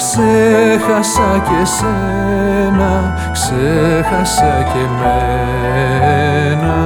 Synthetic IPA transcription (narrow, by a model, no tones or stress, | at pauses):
ksexɐsɐcese | nɐ | ksexɐsɐceme | nɐ